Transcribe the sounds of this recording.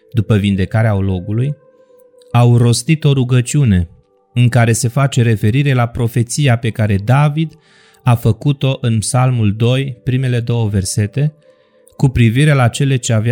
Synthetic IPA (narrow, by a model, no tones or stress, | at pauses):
d̪upəvind̪e̞kaɾeaolo̞ɡuluj | awro̞st̪it̪o̞ɾuɡət͡ʃiune̞ | ɨŋkaɾe̞se̞fat͡ʃe̞ɾe̞fe̞ɾiɾe̞lapɾo̞fe̞t̪sijape̞kaɾe̞d̪avid̪ | afəkut̪o̞ʔɨnpsalmuld̪o̞jpɾime̞le̞d̪o̞wəve̞rse̞t̪e̞ | kupɾiviɾe̞lat͡ʃe̞le̞t͡ʃe̞av